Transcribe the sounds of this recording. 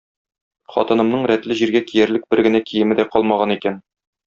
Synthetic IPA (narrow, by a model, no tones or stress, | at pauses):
χɒ̰t̪ɤ̆nɤ̆mnɤɴɾæt̪lɘʑiɾɡækijæɾlɘk̚bɘɾɡɘ̆nækʰijɘ̆mɘ̆d̪æqɒlˠmɑʁɑnikæn